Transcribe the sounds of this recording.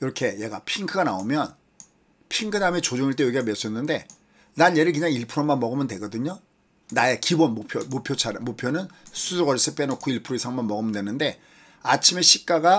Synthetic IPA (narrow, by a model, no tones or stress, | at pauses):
iɾʌkʰe̞je̞ɡapʰiŋkʰɯɡanaomjʌn | pʰiŋkʰɯnamet͡ɕod͡ʑoŋiɭt͈e̞joɡiɡames͈ʌnːɯnde̞ | nanje̞ɾɯɭkɯɲaŋiɭpʰɯɾomanmʌɡɯmɯndwe̞ɡʌdɯɲo | naekibʌnmopʰjomopʰjot͡ɕʰaɾɯmopʰjonɯnsʰusʰoɡʌɾis͈ʰɯp͈enokʰoiɭpʰɯɾoisʰaŋmanmʌɡɯmɯndwe̞nɯnde̞ | at͡ɕʰime̞ɕʰip̚k͈aɡa